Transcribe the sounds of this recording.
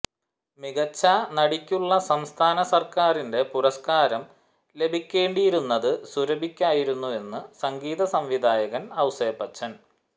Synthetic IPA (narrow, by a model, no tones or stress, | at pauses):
miɣɐt͡ɕːanɐɽikʲːuɭːɐsɐmst̪ʰaːnɐsɐrkaːɾinde̞puɾɐskaːɾɐm | le̞bʱikʲːe̞ːɳɖijiɾunːɐðɨsuɾɐbʱikʲːaːjiɾunːue̞nːɨsɐŋɡiːðɐsɐmʋid̪ʱaːjɐɣɐnɐwseːpːɐt͡ɕːɐn